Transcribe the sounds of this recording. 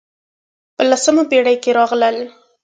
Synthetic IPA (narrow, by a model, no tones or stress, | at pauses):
pəlasəmabeɽajkeɾɑɣləl